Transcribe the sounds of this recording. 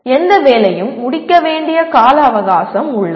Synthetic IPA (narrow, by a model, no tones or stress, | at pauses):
ɛnd̪ɐʋeːlɐjɯmːʊɽɪkːɐʋeːɳɖɪjɐkaːlɐːʋɐɣaːsɐmʊɭːɐ